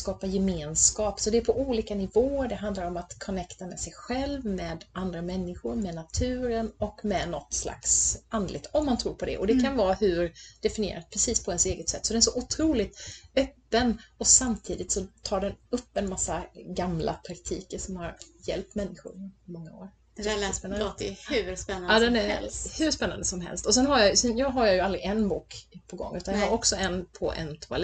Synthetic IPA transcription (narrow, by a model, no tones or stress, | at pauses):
skɑːpajɛmeːnskɑːpsɔd̪ɛæɾpʰɔʔuːliːkanɪvoːəɾɖɛɦand̪laɾɔmat̪kʰɔnɛkt̪amɛsɛjɧɛlvmɛd̪and̪ɾamɛnːɪɧʊɾmɛnat̪ʰʉ̟ːɾənɔkmɛnɔt̪ːsla̰ksand̪lɪ̰ɡ̚t̪ɔmːant̪ʰɾuːɾpʰɔd̪ɛ̰ʔɔd̪ɛkʰanvɑːhɵɾd̪̥ɛfɪnɪjḛːɾat̪̚pʰɾɛsiːspʰɔɛnseːɡət̪sɛt̪ːsɔd̪ɛnæʂ̬ɔʔʊt̪ʰɾuːlɪt̪œpːənɔsamt̪ʰiːd̪ɪt̪sɔt̪ʰɑːɖɛnɵpːɛnmasːaɡamla̰pʰɾakt̪ʰḭːkəʂɔmhaɾjɛ̰lp̚t̪mɛnːɪɧʊ̰ɾmɔŋːao̰ːɾ | sspɛnːnhʉɛd̪ɛnæhʉʂpɛnːa̰nd̪əsɔmɦɛ̰lst̪ɔsɛnɦajajsɛnjɑɦaɾjajɵald̪ɾɪʔɛnbuːkpʰɔɡɔ̰ŋːʉ̟ːt̪anjɑɦaɾɔksɔɛnpʰɔ̰ʔɛ̰nt̪ʰʊa̰l